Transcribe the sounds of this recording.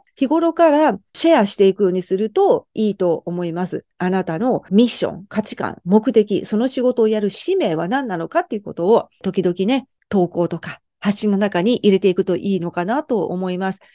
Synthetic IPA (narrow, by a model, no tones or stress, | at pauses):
çiɡo̞ɾo̞kaɾaɕeaɕi̥t̪e̞ikɯjo̞ːɲ̟isɨɾɯ̟t̪o̞iːt̪o̞ːmo̞imasɨ̰anat̪ano̞mʲiɕːõ̰ŋkat͡ɕi̥kã̰ŋmo̞kɯ̟t̪e̞kʲḭso̞no̞ɕiɡo̞t̪o̞ːjaɾɯ̟ɕime̞ːβanãnːano̞kat̪ːeiɯ̟ko̞t̪o̞ːt̪o̞kʲid̪o̞kʲine̞ | t̪o̞ːko̞ːt̪o̞ka | haɕːĩnːo̞nakaɲ̟iʔiɾe̞t̪e̞ikɯ̟t̪o̞ʔiːno̞kanat̪o̞o̰mo̞imasɨ̥